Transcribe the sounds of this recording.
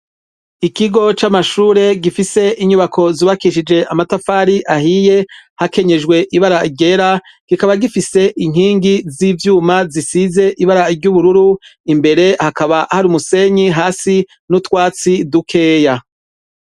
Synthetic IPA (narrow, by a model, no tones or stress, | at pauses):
ikiɡo̞t͡ʃamaʃuːɾe̞ɡifise̞iɲuβakʰo̞zuːβakiʃid͡ʒe̞ʔamatafaːɾiʔahije̞hake̞ɲe̞d͡ʒɡwe̞ʔiβaɾaiɟe̞ɾa | ɡ̥ikaβaɡifise̞ʔiŋiːŋɡizivjuːmazisize̞ʔiβaɾaiɾɟuβuɾuɾuimbe̞ɾe̞hakaβahaɾuːmuse̞ɲiɦaːsi | nutwaːt͡sidukʰe̞ːja